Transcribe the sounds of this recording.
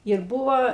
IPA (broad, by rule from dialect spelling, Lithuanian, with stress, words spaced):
ɪr ˈbʊʋoː